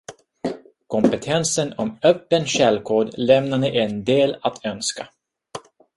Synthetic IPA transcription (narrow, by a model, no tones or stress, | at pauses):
kʰɔmpɛt̪ʰɛnsənɔmœpːənɕɛlːkʰoːɖ̪lɛmnanəʔɛnd̪eːlat̪ʰœnska